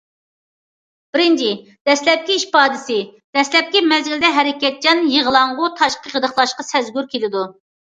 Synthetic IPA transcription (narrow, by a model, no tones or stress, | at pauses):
b̥ɪɾɪnt͡ʃʰɪ | d̪̥ɛslɛp̚kʲiiʃpɑːd̪ɪsɪd̪̥ɛslɛp̚kʲimɛzɡʲɪld̪ɛɦɛɾɪkʲɛt̪̚d͡ʒɑnjeʁəlˠɑɴʁʊt̪ʰɑʃqəʁəd̪əχlˠɑʃqɑsɛzɡʲyɾkʲʰelɪd̪u